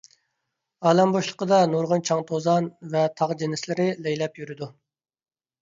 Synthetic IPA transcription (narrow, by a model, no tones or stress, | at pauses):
ɑːlɛmboʃlˠə̥qəd̪ɑnuɾʁənt͡ʃʰɑŋt̪ʰozɑnvɛt̪ʰɑʁd͡ʒenɪslɪɾɪlɛjlɛpjyɾɪd̪u